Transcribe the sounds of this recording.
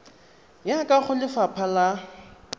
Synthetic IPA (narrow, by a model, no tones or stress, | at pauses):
jakʼaχʊlɪfapʰala